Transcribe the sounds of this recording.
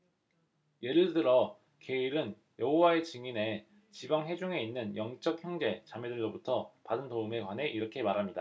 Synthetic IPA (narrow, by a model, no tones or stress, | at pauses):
je̞ɾɯɭtɯɾʌ | ke̞iɾɯn | jʌɦowae̞t͡ɕɯŋine̞ | t͡ɕibaŋɦe̞d͡ʑuŋe̞inːɯnjʌŋt͡ɕ͈ʌk̚çjʌŋd͡ʑe̞t͡ɕamedɯɭɾobutʰʌpadɯntoume̞kwanɦe̞ʔiɾʌkʰe̞maɾɦamɲida